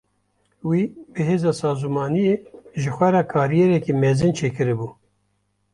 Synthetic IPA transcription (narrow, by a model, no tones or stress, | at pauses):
wiːbɨɦeːzɑːsɑːzumɑːnijeːʒɨxʷɛɾɛkʰɑːɾijɛɾɛkimɛzɨnt͡ʃʰeːkɨɾɨbuː